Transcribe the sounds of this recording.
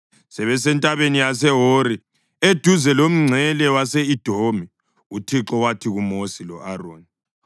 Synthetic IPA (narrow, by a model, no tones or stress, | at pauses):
sɛβɛsɛntʼaβenijasɛɦoɾi | ed̥ʱuzɛlom̩ŋ͡ǀʱɛlɛwaseid̥ʱomi | utʰiǁɔwatʰiɣumosilɔ̰ʔaro̰ːni